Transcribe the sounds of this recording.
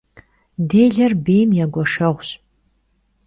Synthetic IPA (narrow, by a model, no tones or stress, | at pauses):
deːjɮɐrbeːjmjaɡʷɔʂɐʁʷɕ